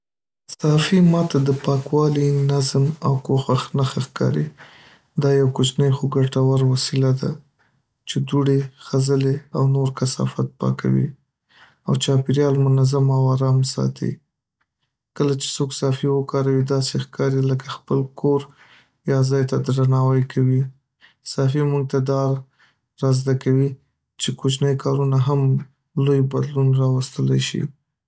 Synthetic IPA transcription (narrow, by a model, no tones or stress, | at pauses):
sɑfimɑt̪ad̪əpɑkwɑlinazmawkoxwaxnaxaxkɑ̰ɾḭ | d̪ɑjawkʊt͡ʃnəjxoɡaʈawaɾwasilad̪a̰ | t͡ʃed̪uɽexazəleawnoɾkasɑ̰fat̪̚pɑ̰ka̰wḭ | awt͡ʃɑpiɾjɑlmʊnazamawɑɾɑmsɑ̰t̪ʰḭ | kəlat͡ʃe̥soksɑfiwəkɑɾawid̪ɑsexkɑɾiləkaxpəlkʰoɾ | jɑzɑjt̪ad̪ɾanɑwajkʰawi | sɑfimuŋɡ̚t̪ad̪ɑɾ | ɾɑzd̪akawi | t͡ʃekot͡ʃnəjkʰɑɾunaɦam | lojbad̪lunɾɑwast̪əla̰jʃḭ